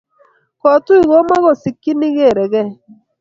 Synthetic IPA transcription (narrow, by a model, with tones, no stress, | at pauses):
kɔ˨tu˦i˨ɣo˦ma˦ɣo˨si˨kːi˦ni˦ɣe˦˨ɾɛ˨ɣɛ˦